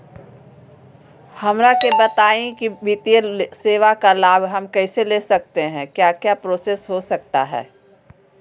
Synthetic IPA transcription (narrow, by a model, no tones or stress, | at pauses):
hɐmɾakebɐt̪aːẽkibit̪ijəseːʋakalaːbɦɐmkɛːseleːsɐk̚t̪eɦɛ̃kjaːkjaːpɾoːseːsɦosɐk̚t̪a̰ɦɛ̰ː